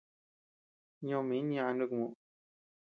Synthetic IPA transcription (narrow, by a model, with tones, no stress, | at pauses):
ɲõ˧mĩ˨˦ñ˦˧ã˧nɖɨ˦˧kmũ˧˨